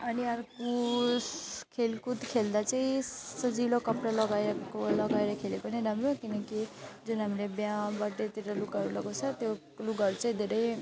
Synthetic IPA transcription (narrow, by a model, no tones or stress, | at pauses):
ʌniʌɾkuskʰelkut̪kʰeld̪at͡saĩsʌd͡zilokʌpɾalʌɡajɾlʌɡajɾʌkʰelepʌniɾamɾokinʌkid͡zunɦamlebjãbaʈet̪iɾʌlukʌɾulʌɡot͡sʰʌt̪jo | luɡʌɾt͡sʌĩd̪ʱeɾʌj